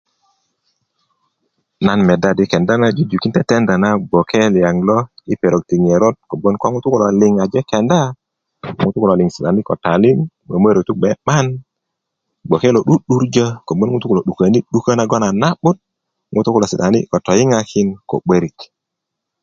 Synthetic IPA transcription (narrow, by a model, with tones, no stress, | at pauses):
na˦nmɛ˨da˦di˦kɛ˨nda˦na˦d͡ʒi˦d͡ʒu˨ki˦ntɛ˦tɛ˦nda˨na˦bo˨kʰɛ˦lja˨ŋlɔ˦i˦pe˨ɾo˨k̚ti˨ŋe˨ɾo˦d̚ko˨bo˦nkʷa˦ŋu˦tu˦ku˦lɔ˨lɪ˨ŋa˨d͡ʒɛ˦kɛ˨nda˦ | ŋu˦tu˦ku˨la˨li˨ŋsi˨ta˨ni˦kɔ˨ta˨li˦ŋ | me˨me˦ɾo˨tu˦k̚ɓɛ˨ɓa˦n | ɡ͡bo˨ke˦lo˨ɗu˦ɗu˦ɾd͡ʒa˦ko˨bo˦n˦ŋu˦tu˦ku˨lo˨ɗu˨ka˨ni˦ɗu˦ka˦na˦ɡɔ˦na˨na˦ɓu˦t̚ | ŋu˦tu˦ku˦la˨si˨ta˨ni˦kɔ˨tɔ˨ji˦ŋa˦kʰi˦nko̰˨ɓe˦ɾi˨k